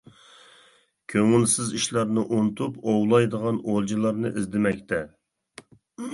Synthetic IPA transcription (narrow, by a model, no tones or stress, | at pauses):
kʲʰøŋulˠsɪziʃlˠɑɾnɨʔont̪ʰupowlˠɑjd̪əʁɑnolˠd͡ʒilˠɑɾnɨ̰ʔɪzd̪ɪmɛkʲt̪ʰɛ